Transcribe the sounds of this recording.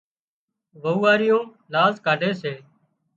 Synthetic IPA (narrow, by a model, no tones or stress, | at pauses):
ʋəuːaːɾɪjõː | laːzkaːɖʱeːseː